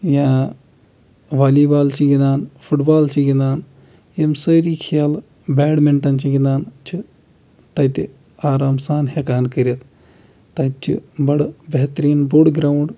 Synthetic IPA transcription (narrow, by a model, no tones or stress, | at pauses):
jã | ʋaːlibaːlt͡ʃiɡinaːnfʰuʈbaːlt͡ʃiɡinaːn | jemsəːɾiːkʰijal | bɛːɽmiɳʈɐnt͡ʃiɡinaːnt͡ʃʰi | t̪ɐt̪i | aːɾaːmsaːnɦekaːnkəɾɐt̪ | t̪ɐt͡ʃḭbɐɽbɐɦt̪ɾiːnbuɽɡɾaːwɳɖ